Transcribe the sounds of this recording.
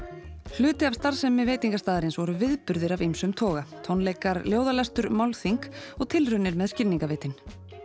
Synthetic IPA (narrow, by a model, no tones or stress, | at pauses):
l̥ʏːt̪ɪav̥st̪aɾsɛmːɪveːjt̪iŋkast̪aːðɪɾɪnsvɔɾʏvɪðpʏɾðɪɾavijmsʏmt̪ʰɔːɣat̪ʰownleːjkaɾljoːwðalɛst̪ʏɾmawlθiŋkɔɣt̪ʰɪlrʏnːɪɾmɛðscɪniŋkaveːjt̪ɪn